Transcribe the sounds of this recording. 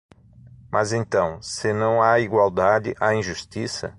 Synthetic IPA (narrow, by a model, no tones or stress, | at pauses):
mʔazẽnt̪ɐ̃w̃sɪnɐ̃w̃aiɡwawd̪ad͡ʒɪ̰ʔaĩʒust͡ʃisɐ̰